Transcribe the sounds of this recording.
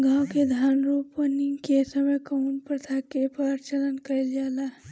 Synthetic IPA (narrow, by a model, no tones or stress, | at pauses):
ɡãːwked̪ʱaːnɾuːpəniŋkesəməjkəunpɾət̪ʰakepaːɾt͡ʃələnkəeld͡ʒaːla